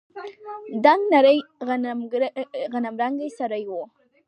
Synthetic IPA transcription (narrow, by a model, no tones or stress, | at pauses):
d̪aŋɡnaɾəjɣmɣanamɾaŋɡajsaɾajwo